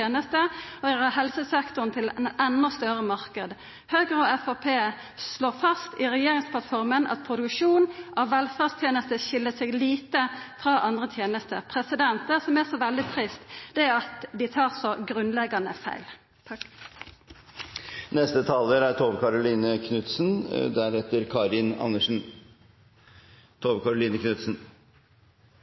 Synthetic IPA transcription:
eːnəst̪əɔɑɦɛlsəsɛkt̪ʊnt̪ʰɪlɛnɛnːɔst̪œɾəmɑʁkəd̪ | høːɡɾɔɛfɑpʰeː | sloːʁfɑst̪ɪʁɛjeːʁɪŋspʰlɑt̪fɔʁmənʔɑ̰t̪̚pʰʁʊd̪ʉkʃuːnʔɑʋʋɛlfæʁst̪ʰjeːnəst̪əʃɪlːəsɛɡliːt̪əfɾɑʔɑnd̪ʁət̪ʰjeːnəst̪ə̰pʰɾɛsɪd̪ɛnt̪əsɔmæʁsɔʋɛld̪ɪt̪ʰʁɪst̪d̪̥ɛæɑt̪d̪ɪt̪ʰɑːʁsɔɡʁʉnlɛɡɑnəfæ̰ɪl | nɛst̪ət̪ʰɑːləɾæɾt̪ʰoːʋəkɑɾʊliːnəkʰnʉt̪snd̪æɾɛt̪əɾkʰɑɾɪnɑ̰nːəʂn̩ | t̪ʰoːʋəkɑɾʊliːnəknʉt̪sn̩

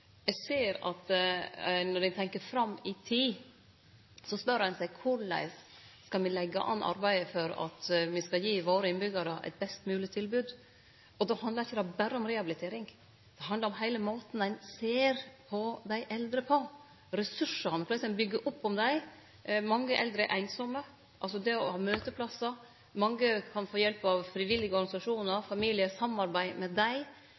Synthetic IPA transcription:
ɛseːɾɑ̰t̪ | nɔɖænt̪ʰɛŋkəɾfɾɑmːɪt̪ʰiː | sɔspœɾəhɛnsæɪkʰʊɭæ̰ɪsː | kɑlmɪlɛɡːɑ̰ʔɑ̰nʔɑ̰ɾbæɪəfɔɾɑ̰t̪mɪskɑjiːʋoːɾəɪnbʏɡɑɾəʔɛ̰ɪt̪̚bɛst̪mʉːlɪt̪ʰɪlbʉːd̪ | ɔd̪ɛhɑnd̪lɑɾɪçːəd̪ɛbæɾəɔmɾɛɑbɪlɪt̪ʰeːɾɪŋ | d̪̥ɛɦɑnd̪ɑɾɔmɦæɪləmoːt̪n̩æɪnseːɾpʰɔd̪æɪʔɛld̪ɾəpʰo | ɾɛsʉʂənfʰlɛsɛbʏɡːəʔʊpːɔmd̪æɪ | mɑŋːəʔɛ̰ld̪ɾəʔæɪnsɔmːə | ʔɑlsɔd̪ɛɔhɑːmøːt̪əpʰlɑsə | mɑŋːəkʰɑnfoːjɛlpɑʋfɾɪʋɪlːɪɡəɔɾɡɑnɪsɑʂuːnəɾfɑmiːlɪəsɑmːɑɾbæɪmɛd̪æɪ

